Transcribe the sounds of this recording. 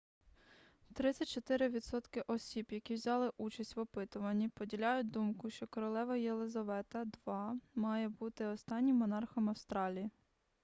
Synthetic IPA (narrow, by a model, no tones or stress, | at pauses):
t̪ɾɪt͡sʲɐtʲt͡ʃɔt̪ɪɾɪʋʲid̪sɔt̪kɪʔɔsʲibjɐkʲiwzʲɑlˠɪʔut͡ʃɐsʲtʲʋɔpɪt̪ʊʋɐnʲːipɔdʲilʲɑjʊt̚ʲd̪umkʊʃt͡ʃɔkɔɾɔlˠɛʋɐjelˠezɐʋɛt̪ɐd̪ʋɑmɑjɛbut̪ɪɔst̪ɑnʲːimːɔnɑrxɐmɐwst̪ɾɑlʲiji